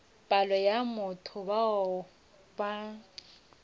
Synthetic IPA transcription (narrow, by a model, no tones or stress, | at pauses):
pʼalɔjamʊtʰʊbaʊ | ba